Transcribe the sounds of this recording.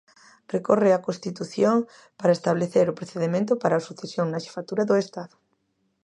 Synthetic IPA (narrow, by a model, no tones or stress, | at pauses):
rekorɪakõst̪it̪uθjoŋ | paɾaest̪aβleθeɾʊpɾoθeðemẽnt̪ʊpaɾaosuθesjoŋnaʃe̥fat̪uɾɐðʊest̪aðʊ